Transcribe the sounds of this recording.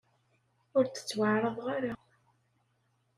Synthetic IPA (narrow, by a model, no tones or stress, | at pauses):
ʊɾt͡sə̥t͡sːwaʕɾˤəðˤʁaɾa